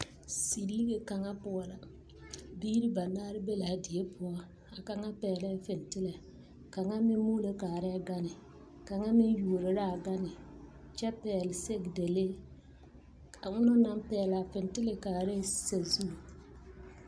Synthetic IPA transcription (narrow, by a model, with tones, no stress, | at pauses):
si˨ɾiː˦ɡe˨ka˨ŋa˦pʊ˦ɔ˦la˨ | biː˦ɾi˦ba˨naː˦ɾɪ˦be˦la˨dɪ˨e˦pʰʊ˦ɔ˦ | a˨ka˨ŋa˦pɛː˨lɛ˦fɪ˨ntɪ˦le˨ | ka˨ŋa˦mɪ˦mu˦le˦kaː˨ɾɛ˦ɡa˦nɪ˨ | ka˨ŋa˦mɪ˦ju˨o˨ɾɪ˨ɾa˦˨ɡa˦nɪ˨ | t͡ʃɛ˦pɛː˨lɪ˨se˦ɡde˨le˦ | a˨ŋʊ˦nʊ˦na˦mpɛː˨˦˨la˨fɪ˨n˨tɪ˦le˨kaː˨ɾe˦se˨zu˦˨